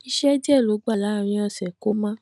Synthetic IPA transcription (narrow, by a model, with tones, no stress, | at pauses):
i˧ʃɛ˦d͡ʒɛ˦˨lo˨˦ɡ͡ba˦˨la˨˦˧ɾ̃ĩ˧ɔ˧˨sɛ˨ko˨˦mã˦